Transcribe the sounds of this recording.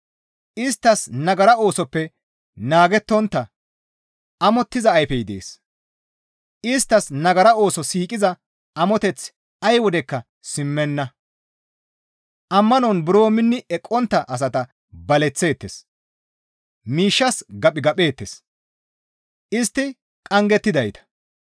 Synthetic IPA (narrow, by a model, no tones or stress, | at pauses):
ʔɪst̪ːɐsnɐɡɐɾɐo̞ːsɔpːɛ | naːɡɛt̪ːɔnt̪ːɐ | ʔɐmɔt̪ːɪzɐːjfɛjɪd̪ḛːs | ɪst̪ːɐsnɐɡɐɾɐo̞ːsɔsiːkʼɪzɐ | ʔɐmɔt̪ɛt͡s | ɐjwɔd̪ɛkːɐ | sɪmːɛnːɐ | ʔɐmːɐnɔnbʊɾo̞ːmɪnːɪɛkʼːɔnt̪ːɐʔɐs̬ɐt̪ɐ | bɐlɛt͡sːe̞ːt̪ːes | miːʃːɐsɡɐpʼɪɡɐpʼe̞ːt̪ːes | ʔɪst̪ːɪ | kʼɐŋɡɛt̪ːɪd̪ɐjt̪ɐ̥